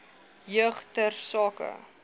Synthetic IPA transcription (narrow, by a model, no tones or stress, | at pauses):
jəχtərsɑːkə̰